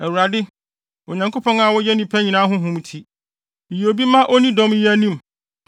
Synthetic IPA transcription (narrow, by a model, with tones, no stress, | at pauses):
ɛ˨wu˨ɾa˨dɪ˦ | o˨ɲã˨ŋkʰo˦pʰɔ̃˦ŋa˨wɔ˦jɛ˦nĩ˨pʰæ˦ɲĩ˨nãː˦ɦʊ̃˦ɦʊ̃˦mtʰi˦ | i˨jo˨bi˦mã˦ʔo˦nĩ˦dɔ̃˦mi˦æ˦nĩ˦m